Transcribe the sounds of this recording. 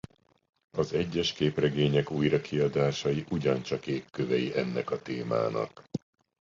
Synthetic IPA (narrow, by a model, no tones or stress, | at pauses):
ɒzɛɟːɛʃkeːprɛɡeːɲɛkujrɒkʰiɒd̪aːʃɒjiʔuɟɒnt͡ʃɒkeːkːøvɛjiʔɛnːɛkɒt̪eːma̰ːnɒ̰k